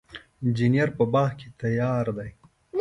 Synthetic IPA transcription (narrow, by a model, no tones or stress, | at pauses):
d͡ʒinijaɾpəbɑːhket̪ajɑːɾd̪aj